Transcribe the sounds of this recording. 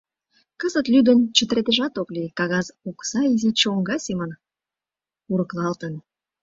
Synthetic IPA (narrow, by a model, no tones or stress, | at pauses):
kəzət̪lʲyd̪ə̆nt͡ɕət̪əɾet̪eʒɑt̪oklʲikɑɣɑzoksɑizit͡ɕəoŋɡɑsemən | uɾə̆klɑlt̪ən